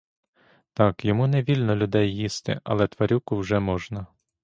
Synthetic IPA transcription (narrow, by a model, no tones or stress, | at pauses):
t̪ɑkjɔmuneʋʲilʲnɔlʲʊd̪ɛjːist̪ɪ̰ɐ̰lˠɛt̪ʋɐɾʲukʊwʒɛmɔʒnɐ